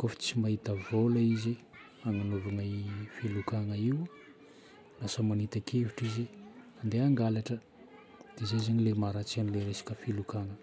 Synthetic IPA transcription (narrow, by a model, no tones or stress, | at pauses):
kofi̥t͡simaɦit̪əvolaize | aŋanovanafilukaŋəiw | lasəmanit̪akʰeviʈ͡ʂizeand̪eaŋɡalaʈ͡ʂə | d̪̥ezezaɲilemaɾat͡sianileɾesḁkəfilukaŋə